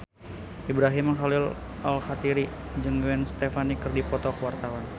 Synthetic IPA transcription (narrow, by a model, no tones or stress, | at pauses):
ʔibɾaɦiməŋɦalil | alxat̪iɾi | d͡ʒɨŋɡɛnst̪efanikərdipɔt̪ɔkəwart̪awan